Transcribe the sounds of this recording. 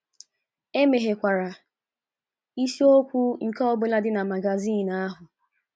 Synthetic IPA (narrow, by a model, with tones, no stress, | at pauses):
e˦me˨ɦe˨kʷa˨ɾa˨ | i˦si˦o˦kʷu˦ŋ̩˨kɔ˦ɔ˦bʊ˦la˦dɪ˦na˨ma˨ɡa˨zi˦˨na˦ɦʊ˨